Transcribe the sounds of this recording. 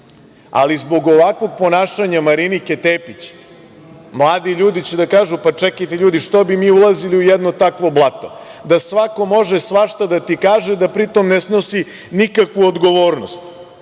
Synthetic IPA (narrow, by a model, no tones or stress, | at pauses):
a̰lizbo̞ɡo̞ʋakʋo̞ɡ̚po̞naːʃaɲamaɾiniket̪eːpit͡ɕ | mlˠaːd̪iʎuːd̪it͡ɕed̪akaːʒupat͡ʂɛkajt̪eʎuːd̪iʃt̪o̞bimiːulˠaziliujɛd̪no̞t̪akʋo̞blˠat̪o̞̰d̪asʋako̞mo̞ʒesʋaʃt̪ad̪at̪ikaːʒed̪apɾit̪o̞mnesno̞si | nikakʋuod̪ɡo̞ʋoːɾno̞st̪